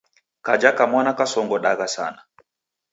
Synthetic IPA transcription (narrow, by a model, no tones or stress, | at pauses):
kad͡ʒakamwanakasɔŋɡɔɗaɡasa̰na